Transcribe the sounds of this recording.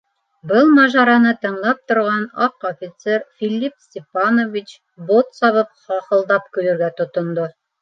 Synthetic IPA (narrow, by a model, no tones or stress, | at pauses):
bɤlˠmɑʒɑɾɑnɤt̪ɤ̆ɴlˠɑp̚t̪ŏɾʁɑnɑqofʲit̪seɾfʲilʲːipsʲtʲepanovʲit͡ɕ | bot̪sɑβɤp̚χɑqɤ̆lˠd̪ɑpkɵ̆ɾɵ̆ɾɡæt̪ŏt̪ŏnd̪o